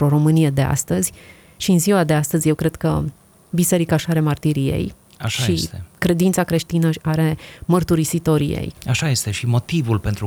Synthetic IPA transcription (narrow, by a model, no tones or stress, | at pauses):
ɾo̞ɾo̞mɨnije̞d̪e̞a̰st̪əzʲ | ʃiɨnziwad̪east̪əzʲje̞wkɾe̞d̪̥kə̰ | bise̞ɾikaʃaɾe̞mart̪iɾijḛj | aʃaʃiest̪ekɾe̞d̪int̪sakɾe̞ʃt̪inəaɾe̞mərt̪uɾisit̪o̞ɾḭjḛjaʃaje̞st̪e̞ʃimo̞t̪ivulpe̞nt̪ɾu